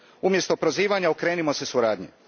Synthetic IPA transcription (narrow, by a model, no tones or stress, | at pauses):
umje̞st̪o̞pɾo̞ziːʋaɲaokɾe̞ːnimo̞se̞suɾaːd̪ɲḭ